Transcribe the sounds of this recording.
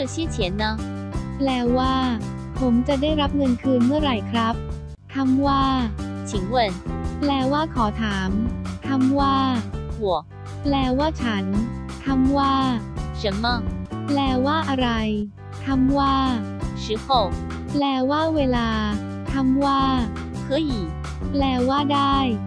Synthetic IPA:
ɕi˥˩t͡ɕʰɛ˨˦nːa˦˥ | plɛː˧waː˥˩ | pʰo˩˦mt͡ɕa˨˩daː˥˩jɾa˦˥p̚ŋɤ˧nkʰɯː˧nmɯ˥˩əɾa˧jkʰɾa˦˥p̚ | t̪ʰa˧mwaː˥˩t͡ɕʰi˩˦ŋwə˧˩nplɛː˧waː˥˩kʰɔː˩˦t̪ʰaː˩˦mt̪ʰa˧˥mwaː˥˩wu˨˩˦ | plɛː˧waː˥˩t͡ɕʰa˦˥nt̪ʰa˧mwaː˥˩t͡ɕɯ˨˦nmɔ˧˩ŋplɛː˧waː˥˩ʔa˧ɾa˧j | t̪ʰa˧mwaː˥˩ | sɯ˨˦kʰo˨˩k | plɛː˧waː˥˩weː˧laː˧ | t̪ʰa˧mwaː˥˩ | kʰɤː˧˥˩ji˨˩ | plɛː˧waː˥˩daː˥˩j

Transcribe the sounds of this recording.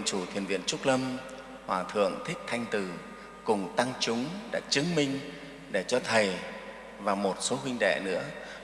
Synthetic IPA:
t͡ɕu˧˩t̪ʰwi˧ənvḭ˧˨ənt͡ɕʊ˦˥k͡p̚lə˧m | hwaː˨˩t̪ʰɨ̰˧˨əŋt̪ʰï˦˥k̚t̪ʰa˧jŋ̟t̪ɨ˨˩ | kʊ˨˩ŋ͡mt̪a˧ŋt͡ɕʊ˨˦ŋ͡mɗa̰ː˧˥t͡ɕɨ˨˦əŋmi˧ŋ̟ | ɗe˧˩t͡ɕɔ˧t̪ʰə˨˩j | vaː˨˩wmo˨˩t̚so˨˦ɦwi˧ŋ̟ɗḛ˧˩˨nɨ̰˧˥ə

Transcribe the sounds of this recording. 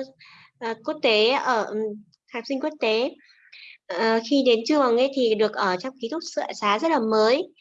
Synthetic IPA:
ʔːku˦˥ək̚t̪e˨˦ʔəː˧˩ | t̪ʰaː˨˩sï˧ŋ̟ku˦˥ək̚t̪e˨˦ | ə˨˩xi˧ɗe˨˦nt͡ɕu˧ə˨˩ŋʔə˨˦jt̪ʰi˨˩ɗɨ˨˩ək̚ʔəː˧˩t͡ɕɔ˧wŋ͡mki˨˦t̪ʊ˦˥k̚sɨ̰˧˨saː˨˦zə˦˥t̚laː˨˩məː˨˦j

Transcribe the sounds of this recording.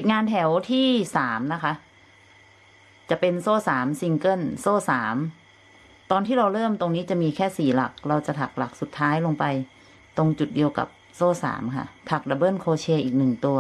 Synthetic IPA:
ppi˨˩ŋaː˧nt̪ʰɛ˩˦wt̪ʰiː˥˩saː˩˦mna˦˥kʰa˦˥ʔ | t͡ɕa˨˩pe˧nsoː˥˩saː˩˦msi˧ŋkɤ˥˩nsoː˥˩saː˩˦m | t̪ɔː˧nt̪ʰiː˥˩ɾa˧wɾɤː˥˩mt̪o˧ŋniː˦˥t͡ɕa˨˩miː˧kʰɛː˥˩siː˨˩la˨˩k̚ɾa˧wt͡ɕa˨˩t̪ʰa˨˩k̚la˨˩k̚su˨˩t̪ʰːaː˦˥jlo˧ŋpa˧j | t̪o˧ŋt͡ɕu˨˩t̪̚di˧əwka̰˨˩p̚ | soː˥˩sa̰ː˩˦mkʰa̰˥˩t̪ʰa˨˩k̚la˨˧˩bɤː˥˩nkʰoː˧t͡ɕʰeː˧ʔiː˨˩k̚nɯ˨˩ŋt̪u˧ɐ

